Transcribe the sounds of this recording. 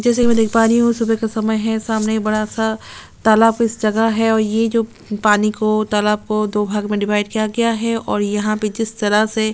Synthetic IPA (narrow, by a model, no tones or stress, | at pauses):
d͡ʒɛːs̬ekimɛ̃ːd̪ekʰpaːɾiɦũsubekasɐməjɦɛsaːmnebɐɽasa | t̪ɐːlaːb̚kɪsd͡ʒɐɡəɦɛɔːɾjed͡ʒoː | paːnikot̪ɐlaːb̚kod̪oːbʱaːɡmẽɖɪʋaːɪɖkijaɡɐjaɦɛʔɔːɾjɐɦãped͡ʒɪst̪ɐɾəse